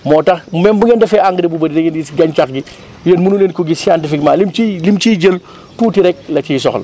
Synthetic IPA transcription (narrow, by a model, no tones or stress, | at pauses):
mɔːtɐxmɛmbuŋɡɛndɐfɛaŋɡdɛbubɐɾidɛŋɡɛnɡisɡɐɲt͡ʃaxɡi | jənmunuleːnkuɡisiandɐfikmaːlimt͡ʃilimt͡ʃiːɟəl | tuːtiɾɛk̚lɐt͡ʃisɔxlɐ̰